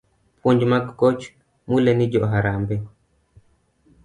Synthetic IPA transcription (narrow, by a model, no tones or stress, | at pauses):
pʰuɲd͡ʒmaɡɡɔt͡ʃ | mulɛnid͡ʒɔɦaɾambɛ